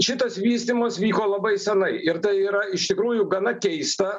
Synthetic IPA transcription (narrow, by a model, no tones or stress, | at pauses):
ʃʲɪt̪ɐsʋʲiːsʲt̪ʲimɐsʋʲiːkoːlˠɐbɐɪsʲɛnɐɪɪɾt̪ɐɪiːɾɐɪʃt̪ʲɪkɾuːjʊɡɐnɐkʲɛɪst̪ɐ